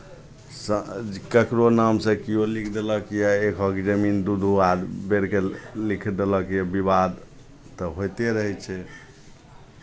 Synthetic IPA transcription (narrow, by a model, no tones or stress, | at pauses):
səkəkɾonamsə̃kijolikʰd̪eləkjɛekʰɔkd͡ʒəmind̪ud̪ʱuad̪beɾkelikʰd̪eləkjɛbiβad̪ | t̪ɔɦojt̪eɾəɦɛt͡ʃʰɛ